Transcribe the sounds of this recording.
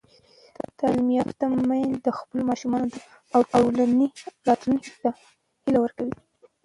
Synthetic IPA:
t̪ɑlimijɑt̪t̪amajnd̪əxpəlomɑʃumɑnot̪a | awtowlanilɑt̪lunkt̪a | hilawəɾkawi

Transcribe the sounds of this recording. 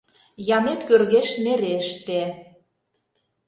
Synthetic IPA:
jɑmet̪kørɣeʃneɾeʃt̪e

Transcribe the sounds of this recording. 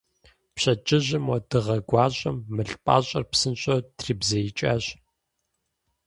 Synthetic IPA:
pɕɐd͡ʒʼɪʑɪmwɔdɨʁɐɡʷɑːɕʼɐmːɨɬʼpʼa̰ːɕʼɐ̰rpsɨnɕʼɐtʰriːbzɐjit͡ʃʼaːɕ

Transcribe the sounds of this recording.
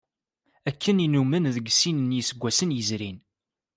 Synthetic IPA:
ækʰːəninumənðəɡsinənjisəɡʷːæsənjəzɾin

